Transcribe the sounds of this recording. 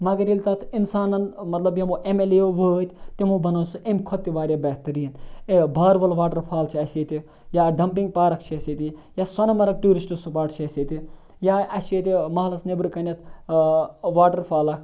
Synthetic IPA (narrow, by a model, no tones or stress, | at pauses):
mɐɡɐnilʲt̪ɐt̪insaːnɐnmɐt̪lɐbjɐmoʔemelejoʋəːt̪ʰʲt̪imubɐnɐːsuʔemkʰɔt̪ːiʋaːɾʲjabɛːt̪ɐɾiɐnebʱaːɾʋɐlʋaːʈɐɾpʰaːlt͡ʃʰiɐsiːt̪i | jaːɖɐmpiŋɡpaːɾɐkt͡ʃʰiɐsit̪ʲijasɐnɐmɐɾɐk̚ʈuːɾisʈɨsupaːʈt͡ʃʰiɐsit̪ʲi | jaɐseːt̪ʲimɐɦlɐsnebɾkɐnɐt̪ | ʋaːʈɐɾpʰaːlɐkʰ